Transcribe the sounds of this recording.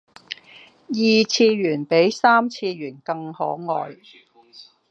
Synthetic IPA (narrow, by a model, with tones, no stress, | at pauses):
jiː˨t͡sʰiː˧jyː˨˩npe˨˥jsaː˥mt͡sʰiː˧ɥyː˨˩nkɐ˧ŋhɔː˨˥ŋɔː˨j